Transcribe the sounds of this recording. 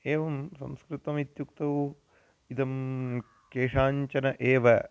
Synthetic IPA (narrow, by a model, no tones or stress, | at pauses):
eːʋɐmsɐ̰mskɾit̪ɐmit̪jukt̪ɐʋu | it̪ɐm | keːʂaːɲt͡ʃɐnɐʔeːʋɐ